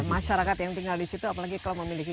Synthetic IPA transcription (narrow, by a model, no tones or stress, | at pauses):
maʃaɾakat̪jaŋt̪iŋɡaldisit̪uapalaɡikaloməmiliki